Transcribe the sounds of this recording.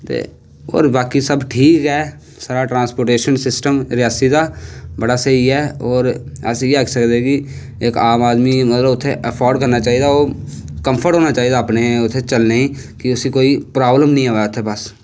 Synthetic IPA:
t̪ḛː | o̰ːɾbaːkisəbʈʰiːkɦɛː | saːɾaːʈɾãːnspoːɾʈeːʃənsɪsʈəmɾɪjaːsid̪aːbəɽaːsəiɦɛːɔːɾ | əsjeəksəkd̪eki | eːkaːmaːd̪miːmət̪ləbʊt̪ʰːeʔəpʰɔːɾɖkəɾnaːt͡ʃaːid̪aoːkə̃mpʰəɾʈɦoːnaːt͡ʃaːiːd̪aːpneɛ̃ʊt̪ʰːet͡ʃəlneːĩː | kɪʊsikoːipɾaːbləmnĩːaːʋajʊt̪ʰːeːbəs

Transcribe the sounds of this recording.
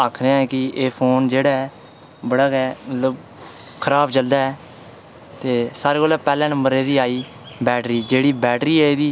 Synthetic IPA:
aːkʰɾeãɛːkɪeːpʰoːnd͡ʒeːɽaːɛː | bəɽaːɡɛːmət̪ləb | kʰəɾaːbt͡ʃəld̪aːɛː | t̪eːsaːɾeːkoːlaːpɛːlɛ̃ːnə̃mbəɾeːd̪iːaːiː | bɛːʈɾiːd͡ʒeːɽiːbɛːʈɾiːeːeːd̪iː

